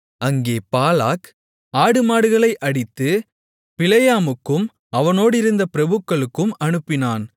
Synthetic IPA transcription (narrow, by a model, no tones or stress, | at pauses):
ʔɐŋɡeːpaːlaːk | aːɽɯmaːɽɯɣɐɭɐɪʔɐɽɪt̪ːɯ | pɪlɐjaːmɯkːɯm | ɐʋɐnoːɽɪɾɯnd̪ɐpɪɾɐbɯkːɐɭɯkːɯmɐnɯpːɪnaːn